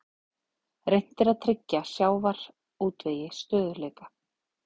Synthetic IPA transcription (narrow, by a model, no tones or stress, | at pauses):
rejn̥t̪ɪɾaðt̪ʰɾɪcːasjaːwvaɾ̥ | uːt̪veːjɪst̪œːðʏleːkḁ